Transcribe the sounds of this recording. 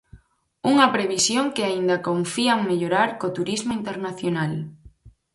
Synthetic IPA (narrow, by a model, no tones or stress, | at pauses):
uŋɐpɾeβ̞isjoŋkɪaind̪ɐkoɱfiaŋmeʎoɾaɾkot̪uɾizmoint̪eɾnaθjonal